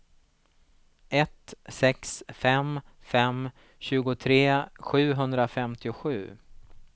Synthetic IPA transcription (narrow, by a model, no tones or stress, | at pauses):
ɛt̪sɛksfɛm | fɛm | ɕʉ̟ːɡʊt̪ʰɾeːɧʉ̟ːɦɵnd̪ɾafɛmt̪ɪʊɧʉ̟ː